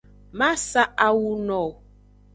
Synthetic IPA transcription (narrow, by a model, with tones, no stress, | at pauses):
ma˦sa˦ʔa˦wu˦nɔ˨